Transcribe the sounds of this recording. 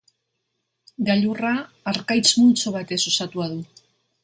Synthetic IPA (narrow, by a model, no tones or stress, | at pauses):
ɡaʎuraː | ɾkajt͡smult͡soβ̞at̪e̞sosat̪uaðu